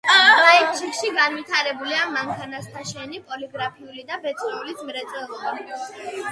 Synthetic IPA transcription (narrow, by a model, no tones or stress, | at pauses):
ɾaɛkt͡ʃʰikʃiɡanwit̪ʰaɾɛbuliamaŋkʰanast̪ʰaʃɛnipʼɔliɡɾapʰiulid̪abɛt̪sʼχɛulisʰmɾɛt̪sʼɛlˠɔba